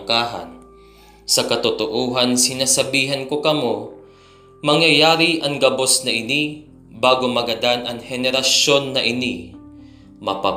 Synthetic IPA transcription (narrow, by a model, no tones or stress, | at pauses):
kaːɦɐ̰n | sɐkɐt̪ʊt̪oʔuːɦɐnsɪnasɐbiːɦɐnkokɐmo | mɐŋjɐjaːɾiʔɐŋɡɐbo̞snɐʔɪni | baːɡomɐɡɐd̪anʔɐŋhɛnɛɾɐʃo̞nːɐʔɪni | mɐpa